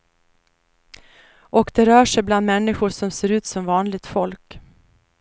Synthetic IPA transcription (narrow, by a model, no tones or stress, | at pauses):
ʔɔkd̪ɛɾœːʂɛjbland̪mɛnːɪɧʊʂɔmseːɾʉ̟ːt̪sɔmvɑːnlɪɡ̚t̪fɔlk